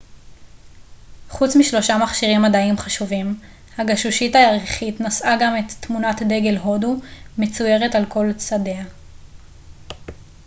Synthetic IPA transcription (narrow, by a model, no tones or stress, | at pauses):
χut͡smiʃlo̞ʃamaχʃiʁimːadaimχaʃuvim | haɡaʃuʃitaaʁiχitnasʔaɡame̞tːmunatde̞ɡe̞lɦo̞dume̞t͡suje̞ʁetalko̞lt͡sade̞a